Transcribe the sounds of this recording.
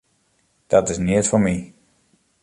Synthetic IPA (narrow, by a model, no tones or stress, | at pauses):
d̥ɔtɪsniətfɔmi